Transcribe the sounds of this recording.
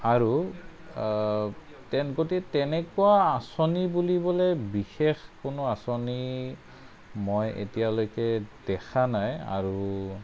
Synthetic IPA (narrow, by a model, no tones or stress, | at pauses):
aɹu | tɛnɡotiɛtɛnɛkuwaːsonibulibɔlɛbixexkonoasoni | mojḛtijalojkɛd̥ɛxʰanaja̰ɹu